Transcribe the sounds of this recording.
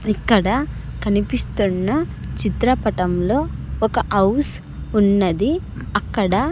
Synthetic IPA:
ikːɐɽɐkɐnipist̪unːɐt͡ʃit̪ɾɐpɐʈɐmlo̞ːɔkɐʔɐws | unːɐd̪i | ɐkːɐɽɐ

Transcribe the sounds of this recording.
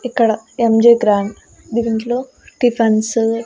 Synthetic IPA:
ikːɐɽɐemd͡ʒeɡɾaːɳɖ | d̪iːnʈloː | ʈipʰɐns

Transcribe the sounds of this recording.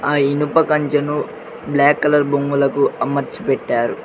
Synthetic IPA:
aːinupɐkɐɲt͡ʃɐnu | blaːkːɐlɐɾboŋɡulɐkuɐmɐɾt͡ʃi̥pɛʈːaːɾu

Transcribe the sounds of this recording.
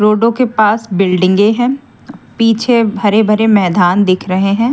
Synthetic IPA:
ɾoːɖõkepaːsbɪlɖɪ̃ŋɡeɦɛ̃ː | piːt͡ʃʰebʱɐɾebʱɐɾemɛːd̪aːnd̪ɪkʰɾɐɦeɦɛ̃ː

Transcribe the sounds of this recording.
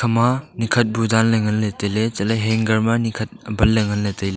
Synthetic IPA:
kʰɐmɐnikʰɐt̚budanlɐŋɐnːɐtɐjlet͡ʃɐlɐɦeŋɡɐɾmɐnikʰɐt̚bɐlːɐŋɐnːɐtɐjle

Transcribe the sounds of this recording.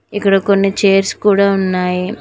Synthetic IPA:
ikːɐɽɐko̞nːit͡ʃeːɾskuːɽaːunːaːji

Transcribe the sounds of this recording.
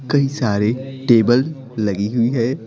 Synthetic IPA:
kɐisaːɾeʈeːbəl | lɐɡiɦʊiɦɛː

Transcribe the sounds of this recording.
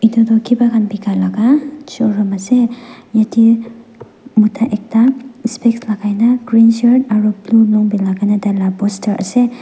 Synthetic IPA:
idɔdɔkʰibaɡanbikʰalaɡat͡ʃɔɾɔmasejati | mutʰaʔek̚taspekslaɡajnaɡɾinsaɾdaɾublulɔŋbilaɡanadalabɔstʰaɾʔa̰se

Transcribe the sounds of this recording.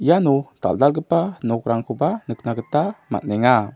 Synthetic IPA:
januta̰ldalɡəpanɔkɾaŋkʰubanəknaɡətama̰t̚nɛŋa

